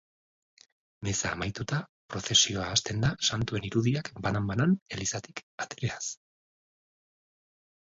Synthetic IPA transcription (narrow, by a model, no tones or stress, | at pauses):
me̞sa̰ːmajt̪ut̪apɾo̞θe̞sio̞aːst̪e̞nd̪asant̪ue̞niɾuðiakbanambanane̞lisat̪i̥kat̪eɾe̞as